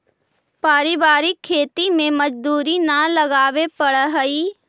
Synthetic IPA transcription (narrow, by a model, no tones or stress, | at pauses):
paːɾɪbaːɾɪkʰːeːt̪imẽmɐd͡ʒd̪uːɾinɐləɡaːʋepɐɽɦəi